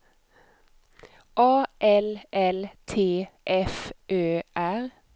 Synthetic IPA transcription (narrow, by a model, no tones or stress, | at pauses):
ʔɑːʔɛlʔɛlt̪ʰeːʔɛfʔøːʔæʁ